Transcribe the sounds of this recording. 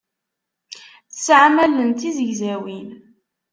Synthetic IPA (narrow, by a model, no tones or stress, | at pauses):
θt͡sːʕamælənt̪izəʝzæwin